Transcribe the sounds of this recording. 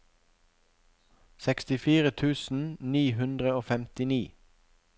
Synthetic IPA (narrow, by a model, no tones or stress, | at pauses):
sɛkst̪ɪfiːʁət̪ʰʉːsn̩niːhʉnd̪ʁəoːfɛmt̪ɪniː